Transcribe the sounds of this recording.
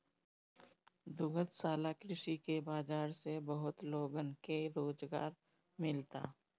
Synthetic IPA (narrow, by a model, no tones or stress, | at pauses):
d̪ʊɡət̪saːlakɾɪʃikebaːd͡ʒaːɾsebəɦʊt̪loːɡənkeɾoːd͡ʒɡa̰ːɾ | mɪlt̪a̰ː